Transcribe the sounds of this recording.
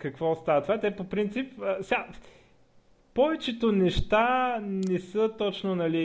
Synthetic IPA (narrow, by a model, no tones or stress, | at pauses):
kɐkvɔst̪avət̪ovat̪ɛpopɾint̪sipəsa | pɔvɛt͡ʃɛt̪onɛʃt̪anɛsət̪ɔt͡ʃnonɐli